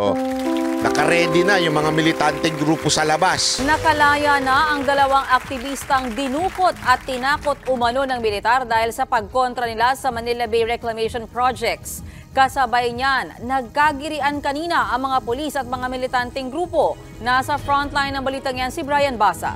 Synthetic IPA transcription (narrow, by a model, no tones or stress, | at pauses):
nɐkɐɾɛnd̪ɪnɐjʊŋmɐŋamɪlɪt̪ant̪ɛŋɡɾuːposɐlɐbasnɐkɐlaːjanɐʔɐŋd̪ɐlɐwaŋɐk̚t̪ɪbist̪ɐŋd̪ɪnuːko̞t̪̚ɐt̪ːɪnaːko̞t̪ʊmɐno̞nɐŋmɪlɪt̪aɾd̪aːhɪlsɐpɐɡ̚ko̞nt̪ɾɐnɪlasɐmɐnilɐbɛjɾɛklɐmɛjʃonpɾad͡ʒɛk̚t̪s | kɐsɐbajɲanːɐɡ̚kaɡɪɾɪʔankɐniːnɐʔɐŋmɐŋapolisɐt̪̚mɐŋamɪlɪt̪ant̪ɛŋɡɾuːpo̞ | nasɐfɾont̪lajnːɐŋbɐliːt̪ɐŋjansɪbɾajɐnbasɐ̰